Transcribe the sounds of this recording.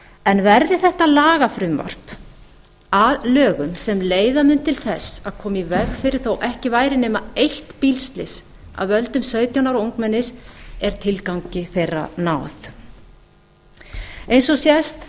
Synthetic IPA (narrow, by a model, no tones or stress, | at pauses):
ɛnvɛɾðɪθɛht̪alaːɣafɾʏmva̰r̥p | aðlœːɣʏmsɛmleːjðamʏnt̪ːʰɪlθɛsaðkʰɔːmivɛɣfɪɾɪɾ̥θowʔɛhcɪvaːjɾɪnɪːmaejht̪pilst̪lɪs | a̰ðvœlt̪ʏmsœːɥt̪jawnaɾowŋkmɛnːɪsɛɾ̥t̪ʰɪlkawŋcɪθejra̰naːwθ | ejnsɔsjɛst̪